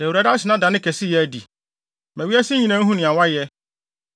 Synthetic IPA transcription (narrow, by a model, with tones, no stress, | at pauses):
ɛ˨wu˨ɾa˨da˦sɪ˨nã˦dã˨nɪ̃˦kʰɛ˨sɪ˦jɛ˦dḭ˨ | mæ̃˨wi˦æ˦sɪ˦ɲĩ˨nã˦ɦũ˦nɪ̃˨a˨wa˦jɛ˦